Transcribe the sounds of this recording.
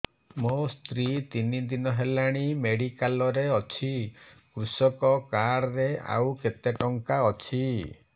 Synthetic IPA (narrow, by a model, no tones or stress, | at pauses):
most̪ɾit̪inid̪inɔɦelaɽ̃imeɽikalɔɾeɔt͡ʃʰikɾusɔkɔkaɽɔɾea̰wket̪eʈɔŋkaɔt͡ʃʰi